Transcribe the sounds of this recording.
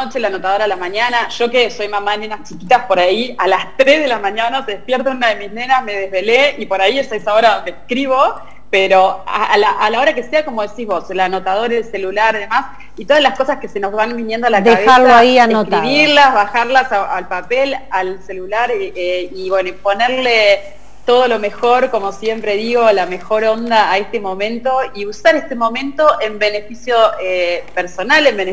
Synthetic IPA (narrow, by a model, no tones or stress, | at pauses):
ot͡ʃelanot̪að̞o̞ɾaðelamaɲanaʒ̥o̞keso̞jmamaenenast͡ʃikit̪aspo̞ɾaialast̪ɾezðe̞lamaɲanaseðehpjeɾt̪onunaðe̞mizne̞nasme̞ð̞e̞zβe̞leipo̞ɾaiesaesao̞ɾaðond̪eːhkɾiβo̞ | peɾoa̰alaʔalaoɾake̞seako̞mo̞ð̞e̞sizβo̞slano̞t̪að̞o̞ɾalse̞lulaɾiðemas | it̪o̞ðazlasko̞saske̞se̞no̞zβanbinjend̪oalakd̪aeβealoaianeotk̪iβiɾlazβaxaɾlasaalpapelalse̞lulaɾeiβwe̞noipo̞neɾle̞ | t̪o̞ð̞o̞lo̞me̞xo̞ɾko̞mo̞sje̞mpɾe̞ðiɣo̞lame̞xo̞ɾo̞nd̪aːe̞st̪e̞mõ̞mẽ̞nt̪o̞iusaɾest̪e̞mõ̞mẽ̞nt̪o̞ʔe̞mbene̞fisjo̞epeɾso̞nalemben